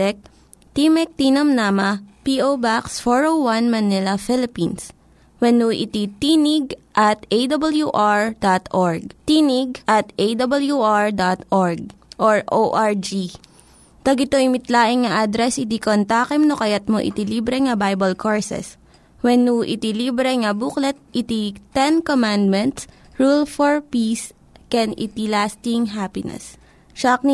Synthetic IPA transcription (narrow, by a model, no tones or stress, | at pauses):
ɛk̚ | t̪imɛk̚t̪iːnɐmnaːmɐpiʔobaksfoɹowwɐnmɐnɪlɐfɪlɪpins | wɛnuːʔɪ̰t̪it̪iːnɪɡ̚ʔɐt̪ejd̪ɐbɐljuʔaɹd̪at̪ʔoɹɡ̚t̪iːnɪɡ̚ʔɐt̪ʔejd̪ɐbɐljuʔaɹd̪at̪ʔoɹɡ̚ | ʔoɹʔoʔaɹd͡ʒi | t̪ɐɡɪt̪oɪmɪt̪laːʔɪŋŋɐʔad̪ɾɛsɪt̪ikont̪aːkɛmnokɐjat̪̚moʔɪ̰t̪iliːbɾɛŋɐbajbɐlkʰoɹsɛ̰s | wɛnːuʔɪ̰t̪ilibɾɛŋɐbuklɛt̪̚ʔɪt̪it̪ɛnkomand̪̚mɛnt̪s | ɹulfoɹpis | kɛnɪ̰t̪ilast̪ɪŋɦaːpɪnɛ̰s | ʃak̚ni